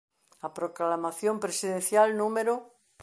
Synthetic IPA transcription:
apɾoklamaθjompɾesiðenθjalnũmeɾo

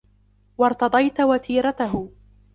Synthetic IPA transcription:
wɑɾˤt̪ɑd̪ˤɑjt̪wat̪ʰiːɾɑt̪aɦʊ

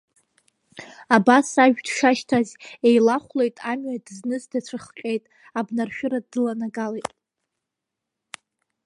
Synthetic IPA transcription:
abasaʒᶣdʃaʃtʰazejlaχʷle̞jtʼamɥadɨznɨzdat͡ɕʷʰaχqʲʼe̞jtʼ | abnarʃᶣʊɾadɨlanaɡalejtʼ

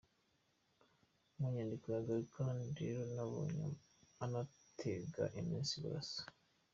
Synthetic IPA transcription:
muɲandikojaɡaɾukʰandeɾonaβo̰ɲa̰ | ana | tʰeɡa̰ʔimiːnsiβṵɾa̰sḁ

